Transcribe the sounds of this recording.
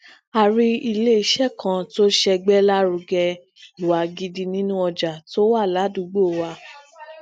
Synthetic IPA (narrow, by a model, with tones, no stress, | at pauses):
a˧ɾi˧˦i˧le˦i˧ʃɛ˦˨kʰã˧to˦ʃɛ˧ɡ͡bɛ˦la˦ɾu˧ɡɛ˧ | i˨wa˨ɡi˧di˧nĩ˦nũ˦ɔ˧d͡ʒa˨to˦wa˦˨la˨˦du˨˦ɡ͡bo˦˨wa˧